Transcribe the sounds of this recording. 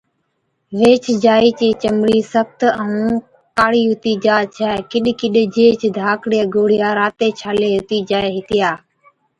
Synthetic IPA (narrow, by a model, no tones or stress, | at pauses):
ʋeːt͡ʃd͡ʒaːiːt͡ʃiːt͡ʃəmɽiːsək̚t̪əũː | kaːɽiːɦʊt̪iːd͡ʒaːt͡ʃʰɛːkɪɗkɪɗd͡ʒeːt͡ʃd̪ʱaːkɽeːɡoːɽ̤ɪjaːɾaːt̪eːt͡ʃʰaːleːɦʊt̪iːd͡ʒaːeɦɪt̪ɪjaː